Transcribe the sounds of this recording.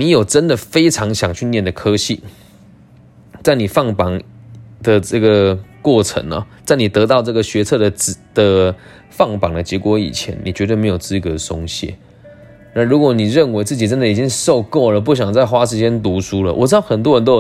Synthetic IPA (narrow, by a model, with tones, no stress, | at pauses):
mi˧˥jo˨˩ʊʈ͡ʂə˦nd̪ə˨fe˥ɪʈ͡ʂʰɑ˧˥ŋɕjɑ˨˩ŋt͡ɕʰy˥˧njɛ˥˩nd̪ə˩kʰɤ˥ɕi˥˩ | t͡sa˥˩ɪni˨˩fɑ˥˩ŋpɑ˨˩ŋd̪ə˨ʈ͡ʂɤ˥˩ɡə˩kwɔ˥˩ʈ͡ʂʰə̰˧˦˥ŋɐ̰˨˩t͡sa˥˩ɪni˨˩t̪ɤ˧˥t̪̬ɑ˥˧ʊʈ͡ʂɤ˥˩ɡə˩ɕɥɛ˧˥t͡sʰɤ˥˩d̪ə˩˨˩d̪̥ə˨˩ | fɑ˥˩ŋpɑ˨˩ŋd̪ə˨t͡ɕjɛ˧˥kwɔ˧˥ḭ˨˩t͡ɕʰjɛ̰˧˦nni˨˩t͡ɕɥɛ˧˥t̪wə˥˩m˧˥jo˨˩ʊt͡sɹ̩˥˩kə˧˩ə˨sʊ˥ŋɕjɛ̰˥˩ | na˥˩nɻu˧˥kwɔ˧˥ni˨˩ɻə˥˨˩nwe˧˥ɪt͡sɹ̩˥˩t͡ɕi˨˩t͡sə˦˥nd̪ə˨i˨˩t͡ɕi˦ŋʂo˥˧ʊko˥˩ʊlə˩p̬u˥˩ɕ̬jɑ˨˩ŋt͡sa˥˩ɪxwa˥ʂɻ̩˧˥t͡ɕjɛ˥nt̪̬u˧˥ʂu˥lə̰˨ʔwɔ̰˨˩ʈ͡ʂɻ̩˥t̪ɑ˥˩ʊxə˨˩nt̪̬wɔ˥ɻə˧˦nt̪̬o˥ʊ˥˨˩